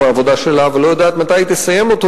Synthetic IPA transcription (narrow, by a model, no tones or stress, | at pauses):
aːvo̞d̪aʃelavelo̞jad̪aːt̪mat̪ajt̪esaje̞mot̪o